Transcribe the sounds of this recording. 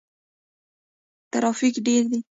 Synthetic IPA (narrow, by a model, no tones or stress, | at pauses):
t̪aɾɑfikɖeɾd̪i